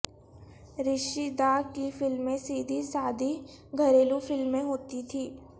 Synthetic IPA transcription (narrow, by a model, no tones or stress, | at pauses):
ɾɪʃid̪aːkifɪlmːẽsiːd̪ʱisaːd̪ʱi | ɡʱɐɾeːlufɪlmːẽɦoːt̪it̪ʰiː